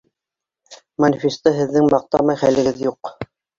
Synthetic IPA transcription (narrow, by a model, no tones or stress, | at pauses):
mɐnʲfʲist̪ɤɦɘ̆ðːɘŋmɑq̚t̪ɑmɑjχælɘ̆ɡɘðjuq